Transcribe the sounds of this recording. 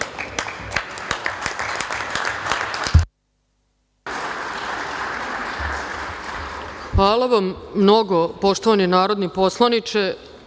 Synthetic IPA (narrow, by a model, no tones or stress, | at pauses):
xʋaːlaʋamːno̞ɡopo̞ʂt̪oʋanenaːɾo̞d̪nipo̞slˠanit͡ʃe